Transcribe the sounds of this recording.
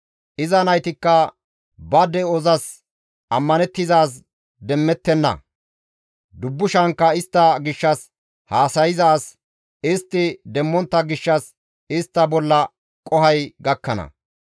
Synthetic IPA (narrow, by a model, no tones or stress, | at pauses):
ʔɪzɐnɐjt̪ɪkːɐ | bɐd̪ɛɔzɐs | ɐmːɐnɛt̪ːɪzaːs | d̪ɛmːɛt̪ːɛnːɐ̰ | d̪ʊbːʊʃɐŋkːɐɪst̪ːɐɡɪʃːɐs | haːsɐjɪzaːs | ɪst̪ːɪd̪ɛmːɔnt̪ːɐɡɪʃːɐs | ɪst̪ːɐbɔlːɐ | kʼɔhɐjɡɐkːɐnɐ̰